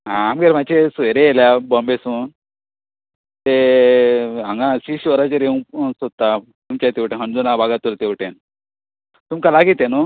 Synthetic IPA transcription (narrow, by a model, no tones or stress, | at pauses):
ɦãamɡeɾmat͡ɕesueɾeeljabɔmbesun | t̪e | ɦãŋɡãsiɕʋəɾat͡ɕeɾeũsot̪a | t̪umt͡ɕat̪eʋʈenɦənd͡zunabaɡat̪ult̪ewʈen | t̪umkalaɡit̪ːenu